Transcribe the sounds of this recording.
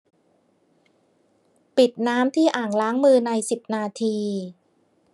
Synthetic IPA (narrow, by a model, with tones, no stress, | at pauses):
pi˨˩t̪̚naː˦˥mt̪ʰiː˥˩ʔaː˨˩ŋlaː˦˥ŋmɯː˧na˧jsi˨˩p̚naː˧t̪ʰiː˧